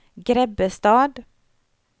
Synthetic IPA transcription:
ɡɾɛbəst̪ɑːd̪

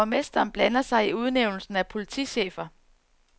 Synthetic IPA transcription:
ɒmesd̥ɐːnb̥lænɐsɑ̈ɪiuð̞ˠneʊnl̩sn̩æpʰo̝lit͡sʰḭɕḛːfɐ

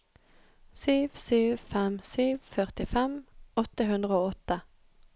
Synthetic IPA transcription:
syːʋsyːʋfɛmsyːʋfœʁt̪ɪfɛmɔt̪əɦʉnd̪ʁəoːɔt̪ːə

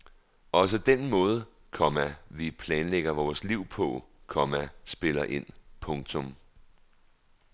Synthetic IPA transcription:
ɒ̽s̬əd̥enmɔ̽ːð̞ˠə | kʰɒ̽mæʋipʰlɛːnleɡ̥ɐʋɒːsliʊ̰pʰɒ̽kʰɒ̽mæsb̥e̝lɐʔe̝n̰pʰɔ̽ŋt͡sʰɔm

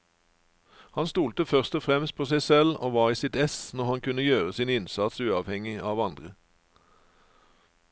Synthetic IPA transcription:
hɑnst̪uːlt̪əfœʁst̪ɔfʁɛmst̪̚pʰoːsæɪsɛlo̰ːʋɑːʁiːsɪt̪ɛsnɔʁhɑnkʉnəjøːʁəsiːnɪnsɑt̪sʉːɑʋhɛŋɪʔɑːʋɑnd̪ʁə

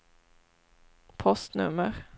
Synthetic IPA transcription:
pʰɔst̪nɵ̰mːəɾ

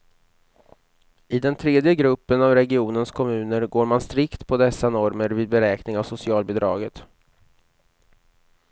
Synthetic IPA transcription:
ɪd̪ɛnt̪ʰɾeːd̪jəɡɾɵpːənavɾɛɡɪuːnənskʰɔmʉ̟ːnəɾɡoːɾmanst̪ɾɪkt̪pʰɔd̪ɛsːanɔɾməɾviːd̪̚bɛɾɛːknɪŋavsʊsɪɑːlbɛd̪ɾɑ̰ːɡət̪

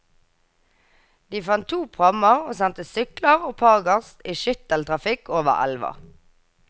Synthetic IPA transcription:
d̪̥iːfɑnt̪ʰuːpʰʁɑməʁoːsɛnt̪əsʏkləʁoːpʰɑːʁɡɑʁsiːʃʏt̪əlt̪ʰʁɑfɪkʰoːʋə̰ʁæ̰lʋɑ̰

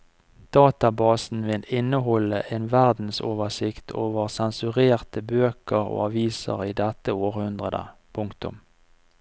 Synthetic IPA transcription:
d̪̥ɑːt̪ɑbɑːsn̩ʋɪlɪnːəɦɔləʔeːnʋæʁd̪n̩soːʋəsɪkt̪ʰoːʋəʁsɛnsʉʁeːʁt̪əbøːkəʁo̰ːɑʋiːsə̰ʁiːd̪ɛt̪əoːʁhʉnd̪ʁəd̪ə̰pʰʊŋkt̪ʊ̰m

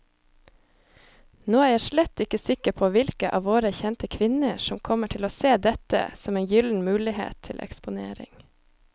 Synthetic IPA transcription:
noːæːɾjæːʃɭɛt̪ɪkəsɪkəpʰoːʋɪlkəʔɑ̰ːʋoːɾəçɛnt̪əkʰʋɪnəʃɔmkʰɔməʈʰɪloːseːd̪ɛt̪ə̰sɔmeːnjʏln̩mʉːlɪhḛːt̪ʰɪlʔɛ̰kspʊnḛːɾɪ̰ŋ

